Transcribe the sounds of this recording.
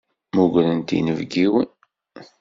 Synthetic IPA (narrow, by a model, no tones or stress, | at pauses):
muɡɾənt̪ḭnəvɡiwin